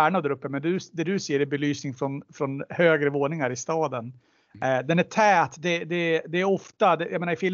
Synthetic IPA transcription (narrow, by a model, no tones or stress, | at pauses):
æɳad̪æɾɵpːəmɛnd̪ɵd̪ɛd̪ɵsɛjːəɾɛbɛlyːsnɪŋfɾɔnfɾɔnhøːɡɾəvoːnɪŋaɾɪst̪ɑːd̪ən | d̪ɛnæʈʰɛːt̪d̪ɛd̪ɛd̪ɛːɾɔft̪ad̪ɛjʔɑmeːnaɾɪfɪl